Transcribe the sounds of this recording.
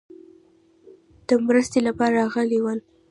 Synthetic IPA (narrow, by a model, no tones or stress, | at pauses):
d̪̥əmɾəst̪elapɑɾaɾɑɣəlewəl